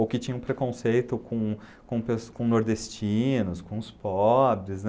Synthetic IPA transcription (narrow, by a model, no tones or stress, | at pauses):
owkɪt͡ʃĩɲɐ̃ũpɾekõsejt̪ʊkõw̃ | kõpeskõnoɾd̪est͡ʃinʊskõʊspɔbɾɪzn